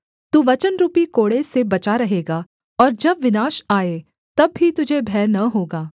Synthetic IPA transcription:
t̪uːʋɐt͡ʃənɾuːpikoːɽesebɐt͡ʃaɾɐɦeːɡaː | ɔːɾd͡ʒɐbʋɪnaːʃaːe | t̪ɐbːit̪ʊd͡ʒʱebʱɛːnɐɦoːɡaː

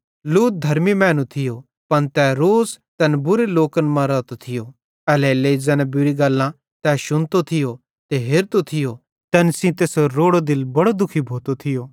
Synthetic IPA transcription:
luːt̪̚d̪ʱɐɾmimɛ̃ːnũt̪ʰɪjo | pɐnt̪ɛːɾoːst̪ɐnbʊɾeloːkənmãɾɐt̪ot̪ʰɪjo | ɛːlɛleizɛ̃ːnɛ̃bʊɾiɡɐlːã | t̪ɛːʃʊnt̪ot̪ʰɪjo | t̪eɦeːɾt̪ot̪ʰɪjo | t̪ɛːnsĩt̪eːsoɾoːɽod̪ɪlbɐɽod̪ʊkʰibʱoːt̪ot̪ʰɪjoː

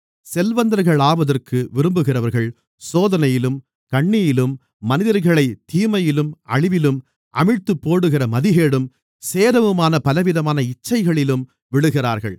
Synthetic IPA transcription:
sɛlʋɐnd̪ɐɾɣɐɭaːʋɐðɐrkɯʋɪɾɯmbɯɣɪrɐʋɐɾɣɐɭ | soːðɐnɐjɪlɯm | kɐɳːɪjɪlɯmː | ɐnɪðɐɾɣɐɭɐɪt̪ːiːmɐjɪlɯmɐ̰ɭɪʋɪlɯm | ʔɐ̰mɪɻt̪ɯpːoːɽɯɣɪrɐmɐðɪɣeːɽɯm | seːðɐʋɯmaːnɐpɐlɐʋɪðɐmaːnɐɪt͡ʃːɐɪɣɐɭɪlɯm | ʋɪɽɯɣɪraːɾɣɐ̰ɭ

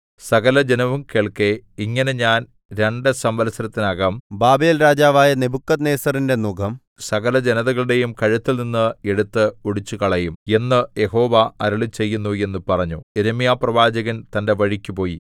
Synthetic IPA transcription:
sɐɣɐlɐd͡ʑenɐʋumkeːɭkeiŋːɐne̞ɲaːn | ɾe̞ɳɖɨsɐmbɐlɐsɐɾɐt̪ːinaːɣaːmbaːbe̞ːlɾaːd͡ʑaːʋaːjɐnebukːɐt̪neːsɐrinde̞nuɡɐm | sɐɣɐlɐd͡ʑenɐðɐɣɐɭuɽe̞jumkɐɻut̪ːilninːɨe̞ɽut̪ːɨuɽit͡ɕːukɐɭɐjume̞nːɨje̞ɦo̞ːʋɐɐɾɐɭit͡ɕe̞jːunːue̞nːupɐrɐɲːueɾɐmijaːprɐʋaːd͡ʑɐɣɐnt̪ɐnde̞ʋɐɻikʲːupo̞ːji

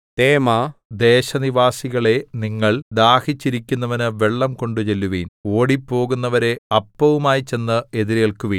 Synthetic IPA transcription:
t̪eːmaːd̪e̞ːɕɐniʋaːsiɣɐɭe̞niŋːɐɭd̪aːhit͡ɕːiɾikʲːunːɐʋɐnɨʋe̞ɭːɐmko̞ɳɖut͡ɕe̞lːuʋiːno̞ːɽipːo̞ːɣunːɐʋɐɾe̞ɐpːɐʋumaːjit͡ɕe̞nːɨe̞ðiɾjɐɭkuʋiːn

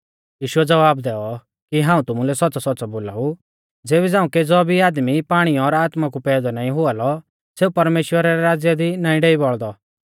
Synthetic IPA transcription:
jiːʃʊɛd͡zɐʋaːbd̪ɛːɔ | kiɦãːũt̪ʊmulɛsɔtːt͡sasɔtːt͡sɔboːla̰ːu | d͡zeːβɛd͡zãːũked͡zɔbʱiaːd̪mipaːɽ̃iɔɾaːt̪mak̬upɛːd̪ɔnaːĩɦʊalɔ | seːupɐɾmeːʃwəɾaɾɛɾaːd͡zjad̪inaːĩɖɛibɔɭd̪ɔ

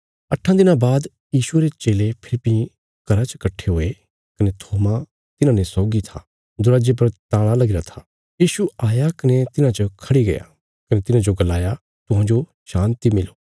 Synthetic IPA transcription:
ɐʈʰːãd̪ɪnãbaːd̪ | jiːʃʊeɾet͡ʃeːlepʰɪlɪpːi | kɐɾat͡ʃə̥kɐʈʰːeɦoːe | kɐnet̪ʰoːma | t̪ɪnãnesɔːɡit̪ʰa̰ | d̪ʊɾaːd͡ʒep̬ɐɾt̪aːɽ̃alɐɡɪɾat̪ʰaː | jiːʃuaːjakɐnet̪ɪnãt͡ʃɐkʰɐɽiɡɐ̰ja̰ | kɐnet̪ɪnãd͡ʒoɡɐlaːja | t̪ʊɦãːd͡ʒo | ʃãːnt̪imɪloː

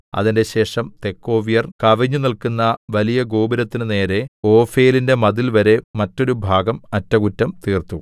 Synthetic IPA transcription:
ɐ̰ðinde̞ɕe̞ːʂɐmt̪ekːo̞ːʋijɐrkɐʋiɲːunilkunːɐʋɐlijɐɡoːbiɾɐt̪ːinɨne̞ːɾe̞o̞ːfeːlinde̞mɐðilʋɐɾe̞mɐtːo̞ɾubʱaːɡɐmɐtːɐkutːɐmt̪iːrt̪u

